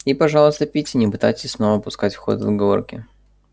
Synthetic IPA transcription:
ipɐʐɑlˠəst̪əpʲitʲɪnʲɪpɨt̪ajtʲɪ̥sʲsno̞vəpʊskatʲfxo̞̰t̪əzɡɐvo̞̰rkʲɪ

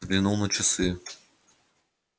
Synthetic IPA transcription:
ɡlʲɪnulˠnət͡ɕɪsɨ

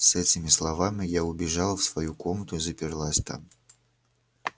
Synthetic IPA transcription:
sɛtʲɪmʲɪslˠɐvamʲɪjaʊbʲɪʐalˠfsvɐjukomət̪ʊizəpʲɪrlˠasʲt̪a̰m

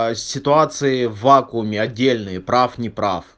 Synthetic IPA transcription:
sʲɪt̪ʊat̪sɨjɪvːakʊʊmʲɪɐdʲːelʲnɨjɪpɾafnʲɪpɾa̰f

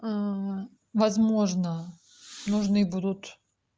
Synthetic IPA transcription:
vɐzmoʐnə | nʊʐnɨbud̪ʊt̪

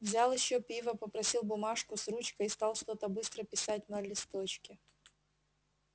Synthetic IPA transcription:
vzʲalˠɪɕːopʲivəpəpɾɐsʲilˠbʊmaʂkʊsɾut͡ɕkəist̪ɑlˠʂt̪o̞t̪əbɨst̪ɾəpʲɪsat̚ʲnɐlʲɪst̪ot͡ɕkʲɪ

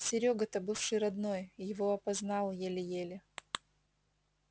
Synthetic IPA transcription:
sʲɪɾʲoɡət̪əbɨfʂɨjɾɐd̪no̞jjɪvo̞ɐpɐznɑlˠjelʲɪjelʲɪ

